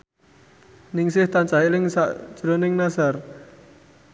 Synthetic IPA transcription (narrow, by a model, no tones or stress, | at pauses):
nɪŋsɪht̪ant͡ʃaɦilɪŋsa̰ʔd͡ʒ̥ɾonɪŋnasar